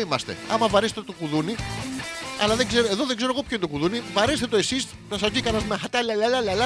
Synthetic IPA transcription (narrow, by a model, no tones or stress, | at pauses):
imɐst̪e̞̰ɐ̰mɐvɐɾest̪et̪okuðuni | ɐ̰lɐðeɡze̞ɾoe̞ðo̞ðe̞ŋɡzeɾoɣopçoind̪okuðunivɐɾest̪e̞t̪oesis | nɐsɐzc̪ikɐnɐzmexɐt̪ɐlɐlalɐlɐlɐ